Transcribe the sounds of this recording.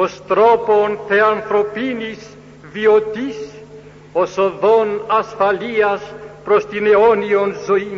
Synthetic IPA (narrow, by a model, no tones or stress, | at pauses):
ost̪ɾoponθeanθɾopinis | viot̪is | osoðonasfaliaspɾost̪ineonionzoi